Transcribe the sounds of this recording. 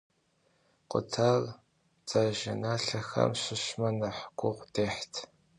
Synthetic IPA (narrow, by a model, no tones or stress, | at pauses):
qʷʊ̰tʰaːr | t͡saːʒɐnaːɬɐxɐ̰mɕɪɕmɐnɐħɡʷʼʊʁʷdeːħtʰ